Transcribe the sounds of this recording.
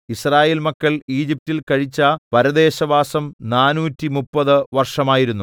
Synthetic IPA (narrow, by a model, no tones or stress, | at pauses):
israːje̞ːlmɐkːɐɭiːd͡ʑip̚tilkɐɻit͡ɕːɐpɐɾɐd̪e̞ːɕɐbaːsɐmnaːnuːtːimupːɐðɨʋɐrʂɐmaːjiɾunːu